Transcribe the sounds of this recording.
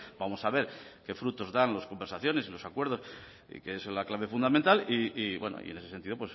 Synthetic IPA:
b̥amo̞saβ̞e̞ɾke̞fɾut̪o̞zðanlosko̞mbeɾsaθjo̞ne̞silo̞sakwe̞ɾð̞o̞s | ḭkeeslaklaβe̞fund̪amẽnt̪aliiβweno̰ḭene̞sesent̪iðo̞pwe̞s

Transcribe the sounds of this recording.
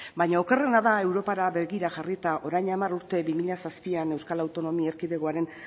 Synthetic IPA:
bajɲao̞ke̞re̞naðae̞wɾo̞paɾaβe̞ɣiɾaʝarit̪aʔo̞ɾajɲamaruɾt̪e̞βimiʎasaspiane̞wskalawt̪o̞no̞mieɾkiðeɣoaɾe̞n

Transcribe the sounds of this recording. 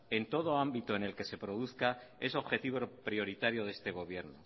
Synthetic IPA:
e̞nt̪o̞ð̞o̞ambit̪oene̞lke̞se̞pɾo̞ðuθkae̞so̞βxe̞t̪iβopɾio̞ɾit̪aɾjo̞ðe̞st̪e̞ɣ̞o̞β̞jeɾno

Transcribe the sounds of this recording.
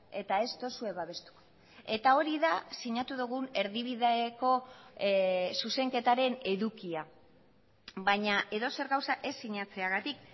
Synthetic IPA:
e̞t̪ae̞st̪o̞sue̞βaβe̞st̪u̥ | e̞t̪ao̞ɾiðasiɲat̪uðuɣ̞une̞ɾðiβ̞iðeko̞ | suse̞ŋke̞t̪aɾe̞ne̞ðukia | βaɲaʔe̞ðo̞se̞ɾɣawsaʔe̞sːiɲat͡se̞aɣat̪ik̚

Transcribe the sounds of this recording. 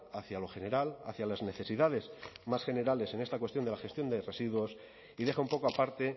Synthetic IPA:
aθjalo̞xe̞ne̞ɾala̰θjalazne̞θe̞siðaðe̞zmasxe̞ne̞ɾale̞se̞ŋest̪akwet̪jo̞nd̪eaxe̞st̪jo̞nd̪ere̞siðwo̞s | iðe̞xaumpo̞koapaɾt̪e̞

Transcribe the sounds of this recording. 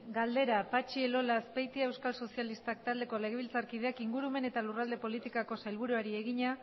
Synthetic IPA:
ɡald̪e̞ɾapat͡ʃielo̞laspejt̪iewskalso̞sialist̪ak̚t̪ald̪e̞ko̞le̞ɣeilt͡saɾkið̞e̞akiŋɡuɾume̞ne̞t̪alurald̪e̞po̞lit̪ikako̞sajlβ̞uɾuaɾie̞ɣiɲa

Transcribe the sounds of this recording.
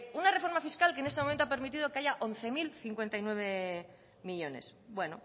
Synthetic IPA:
unare̞fo̞ɾmafiskalkene̞stemomẽnt̪oapeɾmit̪̬iðo̞keaʝaʔonθe̞milθiŋkwe̞nt̪ajnwe̞βe̞ | miʎo̞ne̞̰sbwe̞no̰

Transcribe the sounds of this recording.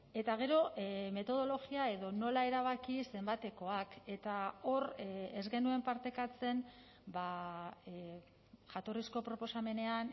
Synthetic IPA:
e̞t̪aɣ̞e̞ɾo̞me̞t̪o̞ð̞o̞lo̞ɣiae̞ðo̞no̞laeɾaβ̞akise̞mbat̪e̞ko̞ake̞t̪ao̞rezɣe̞nue̞mpaɾt̪e̞kat͡se̞n | ba | ʝat̪o̞risko̞pɾo̞po̞same̞ne̞an

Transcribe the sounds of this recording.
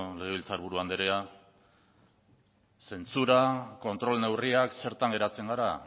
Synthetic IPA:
le̞ɣeβ̞ilt͡saɾβuɾuand̪eɾea | se̞nt͡suɾako̞nt̪ɾo̞lne̞wriakse̞ɾt̪aŋɡe̞ɾat͡se̞ŋɡaɾa

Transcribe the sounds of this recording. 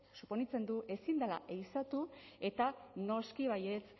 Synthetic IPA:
supo̞nit͡se̞nd̪uʔe̞sind̪ala̰ʔejsat̪ue̞t̪ano̞skiβ̞aje̞t͡s

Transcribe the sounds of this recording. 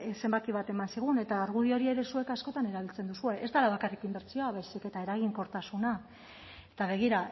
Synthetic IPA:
se̞mbakiβ̞at̪e̞mansiɣ̞une̞t̪aːɾɣ̞uðio̞ɾie̞ɾe̞sue̞kasko̞t̪ane̞ɾaβ̞ilt͡se̞nd̪usue̞ʔezt̪alaβakarikimbe̞ɾt͡sioaβajsike̞t̪ae̞ɾaɣ̞iŋko̞ɾt̪asuna | et̪aβ̞e̞ɣ̞iɾa

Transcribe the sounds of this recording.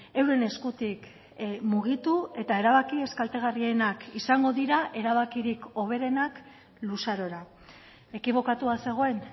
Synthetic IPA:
e̞wɾe̞ne̞skut̪ik | muɣ̞it̪ue̞t̪ae̞ɾaβakie̞skalt̪e̞ɣ̞arienakisaŋɡo̞ðiɾaʔe̞ɾaβ̞akiɾiko̞β̞e̞ɾe̞nak | lusaɾo̞ɾa | e̞kiβ̞o̞kat̪uase̞ɣ̞o̞e̞n

